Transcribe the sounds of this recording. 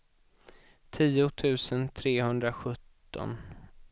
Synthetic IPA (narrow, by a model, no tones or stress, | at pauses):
t̪ʰiːʊt̪ʰʉ̟ːsənt̪ʰɾeːhɵnd̪ɾaɧɵt̪ːɔ̰n